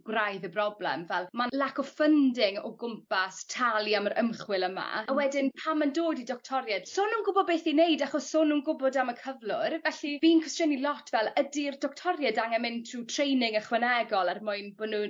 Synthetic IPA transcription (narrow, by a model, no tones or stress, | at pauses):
ɡ̥wrajðəbrɔblɛ̰mvɛlˠmalˠakɔfəndɪŋɔ̰ɡʊmpastʰalˠiamaɾʔəmχwɪlˠəma̰awɛdɪnpʰamːandoːdidɔk̚tʰɔɾjɛd̥sʊnuːnɡʊbɔd̚beːθinejdaχɔsːʊnuːnɡʊbɔdaməkʰəvlˠʊrvɛɬiviːnkʰwɪstjənilˠɔtʰvɛlˠədirdɔk̚tʰɔrjɛdaŋɛmɪntʰrutʰrejnɪŋəχwɛnɛɡɔlˠarmʊɨnbɔnuː